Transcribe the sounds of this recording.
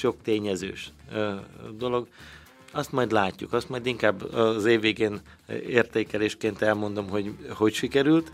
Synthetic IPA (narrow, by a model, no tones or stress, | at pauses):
ʃo̞kt̪eːɲɛzø̰ːʃ | d̪o̞lo̞ɡ | ɒst̪mɒjd̪laːcːṵkɒst̪mɒjd̪iŋkaːbːɒzeːvːeːɡeːn | eːrt̪eːkɛleːʃkeːnt̪ɛlmo̞nd̪o̞mɦo̞ɟho̞cʃikɛɾylt̪